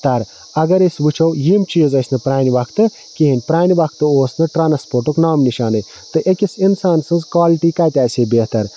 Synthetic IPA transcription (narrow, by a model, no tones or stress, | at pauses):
t̪ɐɾ | ɐɡɐɾesʲʋut͡ʃʰɐwjimt͡ʃiːzɐsʲnɨpɾaːnʲiʋɐkʰt̪ɨ | kiɦinʲpɾaːniʋɐk̚ʰt̪ɨoːsnɨʈɾaːnspoːɾʈuknaːmniʃaːnɨj | t̪ɨʔekʲisinsaːnsɨnzkʋaːliʈiːkaːjt̪ʲaːsʲeːbeːt̪ɐɾ